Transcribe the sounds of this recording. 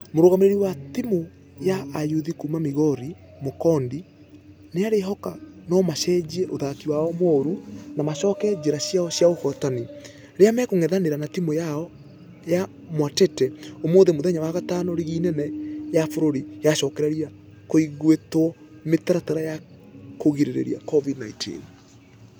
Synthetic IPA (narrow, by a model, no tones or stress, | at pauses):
moɾoɣameɾeɾiwatimo | jaʔːjuðikumamiɣɔɾi | mokɔndi | neaɾeɦɔkanɔmaʃɛːd͡ʑiɛʔoðakiwaɔmɔɾunamaʃɔkɛd͡ʑeɾaɕjaɔɕjaohɔtani | ɾeamɛkoŋɛðaneɾanatimojaɔ | ja | mwatɛtɛomoːðemoðɛɲawaɣatanɔɾiɣiːnɛnɛjafoɾoɾijaʃɔkɛɾaɾia | koiɣwetwɔ | metaɾataɾaja | koɣiɾeɾḛɾiakɔvidnaitʰḭn